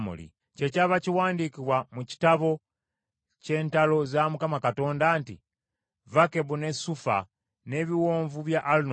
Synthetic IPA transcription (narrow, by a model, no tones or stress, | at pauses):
mṵlḭ | ce̞caβaciwaːndikiβwamuci̥taβo̞ | ce̞ːntalo̞zamukamakato̞ːndaːntḭ | vake̞βune̞sufa̰ | ne̞ːβiwoːɱvuβjaʔːlin